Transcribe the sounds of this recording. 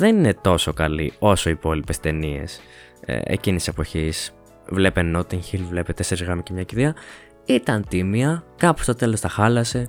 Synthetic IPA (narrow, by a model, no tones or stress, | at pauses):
ðe̞nine̞t̪o̞so̞kɐlio̞so̞ipo̞lipe̞st̪e̞nie̞̰s | ḛcinit̪ise̞po̞çis | vle̞peno̞t̪iŋçilvle̞pet̪eseɾizɣɾɐmicemɲɐciɾeɐ | it̪ɐnt̪imiɐkɐpost̪o̞t̪e̞lo̞st̪ɐxɐlɐse̞